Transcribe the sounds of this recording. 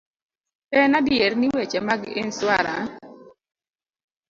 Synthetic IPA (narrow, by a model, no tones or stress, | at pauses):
pɛnadɪjeɾniwet͡ʃɛmaɡɪ̰nswaɾa